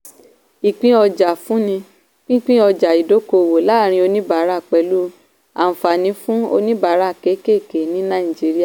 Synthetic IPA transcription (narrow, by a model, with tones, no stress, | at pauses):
i˨k͡pĩ˧˦ɔ˧d͡ʒa˨fũ˨˦nĩ˧ | k͡pĩ˦k͡pĩ˦ɔ˧d͡ʒa˨i˨do˨˦ko˧˨wo˨la˦˨ɾ̃ĩ˧o˧nĩ˦ba˨˦ɾa˦˨k͡pɛ˨˦lu˦ | a̰˨fa˨nĩ˧˦fũ˦o̰˧nĩ˦ba˨˦ɾa˦˨ke˨˦ke˦˨ke˨nĩ˨˦nã˦ĩ˨d͡ʒi˨˦ɾi˦a˦˨